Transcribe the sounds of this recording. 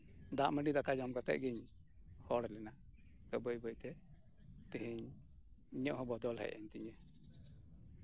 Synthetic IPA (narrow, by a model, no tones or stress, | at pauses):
d̪aʔməɖid̪akad͡ʒɔmɡat̪ɛ̰ʔ̚ɡiɲ | hɔɽɛlɛna | t̪ɔbəjbəjt̪ɛ | t̪iɦiɲ | iɲɔʔɦɔ̃bɔd̪ɔlɦɛ̰ʔɛɲt̪iɲɛ